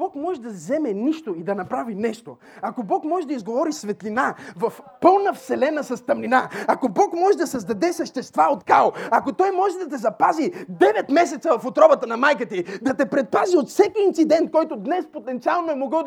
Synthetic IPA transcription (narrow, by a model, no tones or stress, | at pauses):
b̥ɔkmɔʒɛd̪ɐzɛmɛniʃt̪oid̪ɐnɐpɾavinɛʃt̪o̰ | akobɔkmɔʒɛd̪ɐizɡovɔɾisvɛt̪linavɐfpɤlˠnɐfsɛlɛnɐsɐst̪ɐmlinaɐkobɔkmɔʒɛd̪ɐsɐzd̪ɐd̪ɛsɐʃt̪ɛst̪vaot̪kalˠɐkot̪ɔjmɔʒɛd̪ɐt̪̬ɛzɐpazid̪ɛvɛt̪mɛs̬ɛt̪sɐvɐfot̪ɾɔbɐt̪ənɐmajkət̪id̪ɐt̪ɛpɾɛt̪̚paziot̪fsɛkiint̪sid̪ɛnt̪̚kɔjt̪od̪nɛspot̪ɛnt̪sialˠnoɛmoɡə